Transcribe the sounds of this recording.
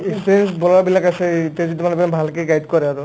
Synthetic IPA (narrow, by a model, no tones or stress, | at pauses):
ekspiɹɛnsbɔlaabilakasɛtezitumanɛpabʱalkeɡajdkɔɹɛaɹu